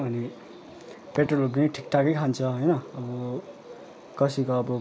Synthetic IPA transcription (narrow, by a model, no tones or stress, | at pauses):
ʌni | peʈrolob̬niʈʰik̚ʈakʌjkʰant͡sʰʌɦʌjnʌʌbʌ | kʌsikoːbʌ